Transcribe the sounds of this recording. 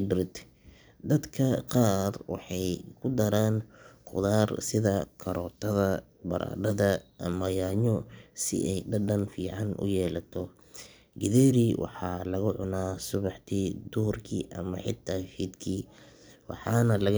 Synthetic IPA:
bɾɪt̪ | d̪ɐd̪kʰɐqɑːrwɑ̰ħɑjkʰʊd̪ɐɾaːnqʊ̰ðaːrsɪðɐkʰɐɾɔt̪ʰɐðɐ | bɐ̰ɾʔa̰ːɖɐðɐʔɐmɐjaːɲɔsɪ̰ʔɛjɖɐɖɐnfiːʕɑnʔʊ̰jɛːlɐt̪ʰɔ | ɡɪðɛːɾiwʔɑ̰ħɑːlɐɣʊʕʊnaːsʊβɑħt̪ʰiːd̪ʊɦʊrkʰiːʔɐmɐħɪt̪ʰːaːfiːd̪kʰiːwɑ̰ħɑːnɐlɐɣ

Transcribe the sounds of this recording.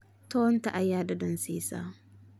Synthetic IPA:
tontaʔajaːdadɔnsiːsa̰ː

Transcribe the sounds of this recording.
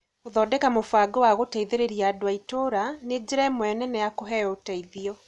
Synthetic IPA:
oðɔːdɛkamofaɡɔwaɣotɛiðeɾeɾiaːdowaitoɾaned͡ʑeɾaɛmwɛnɛnɛjakoɦɛotɛiðiɔ

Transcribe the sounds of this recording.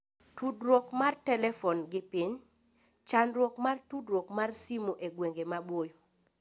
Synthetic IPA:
tudɾwɔkmartɛlɛfɔnɡɪpiɲ | t͡ʃanɾwɔkmartudɾwɔkmarsimoʔeɡweŋɡemabwojo

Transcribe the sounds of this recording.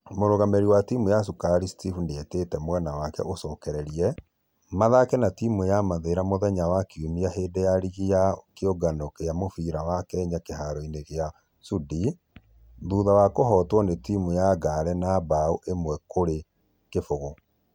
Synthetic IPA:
moɾoɣameɾiwatimujas̬ukaɾistifuneetetɛmwɛnawakɛ̰ʔosɔkɛɾɛɾiɛ | maðakɛnatimujamaðeɾamoðɛɲawakumiaɦeːdejaɾiɣijakeoɡanokeamofiɾawakɛɲakeɦaɾɔineɣea | sudi | ðuːðawakoɦɔtwɔnetimujaɡaɾɛnabauʔemwɛkoɾe | kefoɣo

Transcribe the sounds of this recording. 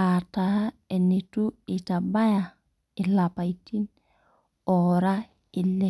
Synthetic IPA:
atahaɛnituitabaja | ilapajtin | ɔɾa | ilːɛ

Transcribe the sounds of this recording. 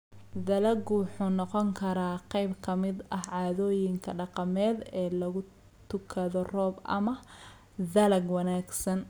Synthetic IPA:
ðɐlɐɡwʊħuːnɔqɔŋkʰɐɾaːqɑjbkʰɐmɪd̪ɐhʕɑːðɔːjɪŋkʰɐɖɑqɑmɛːd̪ɛːlɐɣʊ | t̪ʰʊkʰɐðɔrɔːbʔɐ̰mɐ | ðɐlɐɡwɐnaːɡsɐn

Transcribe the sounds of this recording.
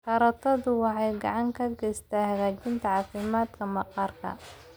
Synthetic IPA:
χɑɾɐt̪ʰɐðʊwɑħɑjɡɑ̰ʕɑŋkʰɐɡɛjst̪ʰaːhɐɣaːt͡ʃɪnt̪ʰɐʕɑːfɪmaːd̪kʰɐmɑqɑːrkʰɐ̰

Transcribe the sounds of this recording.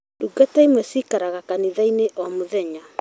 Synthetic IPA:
duɡataimwɛsikaɾaɣakaniðaineʔɔmoðɛɲa

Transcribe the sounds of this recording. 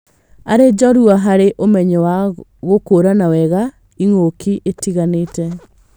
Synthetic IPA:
aɾed͡ʒɔɾuaɦaɾeʔomɛɲɛwaɣokoɾanawɛɣa | iŋokiʔetiɣanetɛ

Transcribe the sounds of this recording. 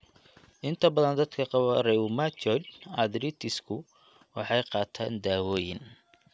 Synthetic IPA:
ʔɪnt̪ʰɐbɐðɐnd̪ɐd̪kʰɐqɑβɐrɛʊmat͡ʃɔdɐd̪ɾit̪ʰɪskʰʊ | wɑħɑjqɑːt̪ʰa̰ːnd̪aːwɔːjɪ̰n

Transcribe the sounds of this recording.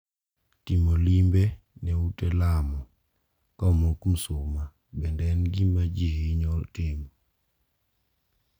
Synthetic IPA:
timolimbenɛutɛlamɔ | kamokm̩sʊma | bɛndɛnɡimad͡ʒiheɲɔltɪmɔ

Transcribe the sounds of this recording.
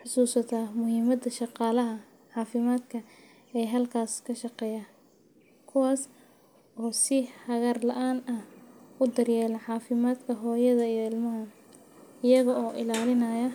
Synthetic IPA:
ħʊsuːsɐt̪ʰaːmʊɦiːmɐd̪ɐʃɑqɑːlɐɦɐ | ʕɑːfɪmaːd̪kʰɐ | ɛjɦɐlkʰaːskʰɐʃɑqɛːjaː | kʰʊwaːs | ɔːsɪhɐɣɐrlɐʔaːnɐhʊd̪ɐrjɛːlɐʕɑːfɪmaːd̪kʰɐɦɔːjɐðɐijɔɪlmɐɦɐ | ɪjɐɣɐɔːʔɪlaːlɪnɐjɐ

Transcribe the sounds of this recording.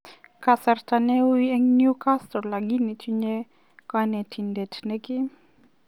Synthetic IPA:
kasaɾtanewiɛŋnjukastɔlaɡinːitiɲɛ | kanɛtʰindɛtʰnɛki

